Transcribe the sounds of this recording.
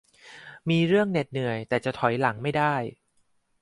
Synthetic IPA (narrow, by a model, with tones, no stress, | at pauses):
miː˧ɾɯ˥˩əŋne˨˩t̪̚nɯ˨˩əjt̪ɛː˨˩t͡ɕa˨˩t̪ʰɔ˨˩˦jla˩˦ŋma˥˩jdaː˥˩j